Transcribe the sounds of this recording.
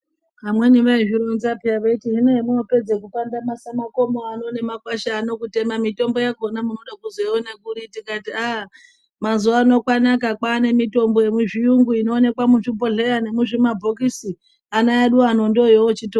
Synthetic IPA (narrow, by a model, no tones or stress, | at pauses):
pamwe̞niʋaeʐiɾonzapiaʋetiɦinoemunope̞d͡zekupandamasamako̞moano̞ne̞makwaʃaːno̞kute̞mamito̞mbo̞jakonamuno̞ɗakuzoionekuɾitikatiaɦ | mazuaːno̞kwanakakwaːne̞mito̞mbo̞je̞muʐijuŋɡuino̞ːne̞kwamuʐipo̞ɮeane̞muʐimabʱokisi | anaaɗuanondojoot͡ʃito